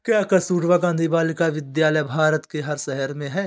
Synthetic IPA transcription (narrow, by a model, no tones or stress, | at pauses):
kjaːkɐsuːʈʋaɡãːnd̪ibaːlɪkaʋɪd̪jaːləjbʱaːɾət̪keɦɐɾsɛɦəɾmẽɦɛː